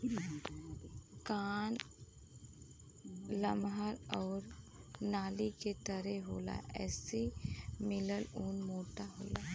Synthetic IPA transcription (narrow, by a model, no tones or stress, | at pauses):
kaːn | ləmɦaɾɔːɾnaːliket̪əɾɛɦoːla̰ʔɛ̰ːsimɪləluːnmoːʈaɦo̰ːlaː